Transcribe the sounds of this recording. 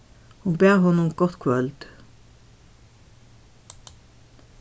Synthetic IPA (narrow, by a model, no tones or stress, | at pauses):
hʊnbeːʁhɔnʊmɡɔt̪kʰʋœld̪̥